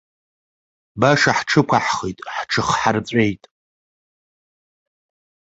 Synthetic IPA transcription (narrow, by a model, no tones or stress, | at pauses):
baʂaħʈ͡ʂʰɨkʷʰaħχejtʼħʈ͡ʂʰɨχħart͡sʷʼejtʼ